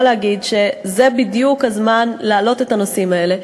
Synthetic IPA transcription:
leaɡidʃe̞zebidjukhazmanlaːlo̞te̞tano̞simae̞le̞

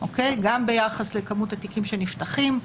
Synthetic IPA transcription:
ʔokejɡambe̞jaχaslekɐmutatikimʃeniftaχim

